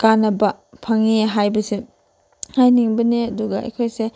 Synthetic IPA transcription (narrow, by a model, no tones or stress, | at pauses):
kanɐbɐ | pʰaŋiɦajbɐsi | hajniŋbɐniɐduɡɐʔḛkʰojse